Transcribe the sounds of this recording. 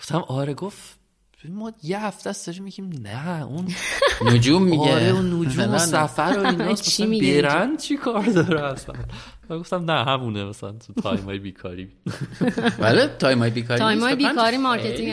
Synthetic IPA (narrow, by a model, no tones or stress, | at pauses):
ɡoft̪æmʔɒːɾeɡof | mːɒjeɦæft̪æsd̪ɒɾimiɟiːmnæunnod͡ʒumːieɾeunːod͡ʒuːmosæfæɾoinɒoimibeɾænd̪t͡ʃʰikʰɒːɾd̪ɒːɾehæst̪æ̰ɡoft̪æmnæɦæmunemæsælænt̪ʰut̪ʰɒ̰ːjmhɒːjebiːkʰɒ̰ːɾiː | vælet̪ʰɒːjmɒːjebiːkʰɒɾijmɒːjebiːkʰɒːɾimɑɾet̪iŋ